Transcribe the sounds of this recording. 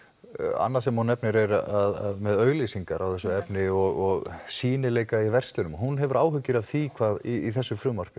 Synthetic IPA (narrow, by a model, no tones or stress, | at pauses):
a̰nːas̬ɛmhunɛpnɪɾɛɾaaða̰ðmɛðœːɥɣlisiŋkaɾawθɛsːʏɛpnɪɔɣɔɣsiːnɪleːjkaivɛr̥st̪lɪnʏmɦunɦɛvʏɾaːwhʏcːʏɾav̥θikʰvaːðiːθɛsːʏfɾʏːmar̥kʏ̥